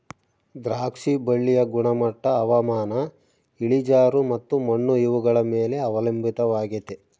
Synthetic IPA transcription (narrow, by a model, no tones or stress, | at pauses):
d̪ɾaːkʂibɐɭːijɐɡuɳɐmɐʈːɐːʋɐmaːnɐ | iɭid͡ʒaːɾumɐt̪ːumɐɳːuiʋuɡɐɭɐmeːle̞ɐʋɐlɐmbʱit̪ɐʋaːɡit̪e